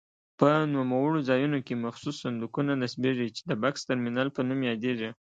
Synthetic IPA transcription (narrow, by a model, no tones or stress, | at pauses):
pənumawəɽozɑjunokemaxsusːand̪ukunanasbeʐit͡ʃe̥d̪əbakst̪aɾminɑlpənumjɑd̪eʐi